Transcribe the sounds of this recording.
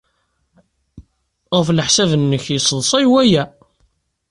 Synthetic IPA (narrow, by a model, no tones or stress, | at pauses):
ʁəflħsævnːəçjəsˤlˤsˤɑjwæjæ